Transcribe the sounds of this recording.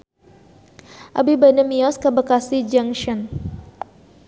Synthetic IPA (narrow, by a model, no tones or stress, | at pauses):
ʔa̰bibanəmiɔskabəkasid͡ʒaŋʃɔn